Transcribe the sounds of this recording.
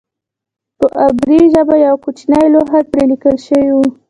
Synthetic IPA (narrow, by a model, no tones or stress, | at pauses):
pəʔabɾiʒabajawkut͡ʃnajloɦaɾpɾelikəlʃəwiwu